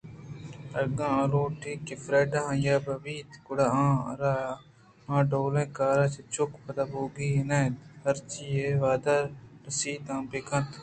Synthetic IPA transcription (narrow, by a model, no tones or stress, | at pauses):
ɐɡãːɐ̃ɾoːʈʰiːkifɾeːɖãjaːbɐbiːt̪kʊɽaã̰ːɾaːa | mãːɖoːlẽːkaːɾaːt͡ʃet͡ʃʊkpʰɐt̪aboːɡiːɦinaːt̪hɐɾt͡ʃiːeːʋaːd̪aɾnɐsiːt̪ãːpekʰɐ̃t̪